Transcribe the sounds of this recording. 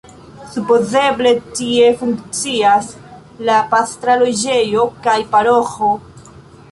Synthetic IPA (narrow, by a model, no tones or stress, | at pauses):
supo̞ze̞ble̞tie̞fuŋkt͡sias | lapastɾalod͡ʒe̞jo̞kajpaɾo̞xo̞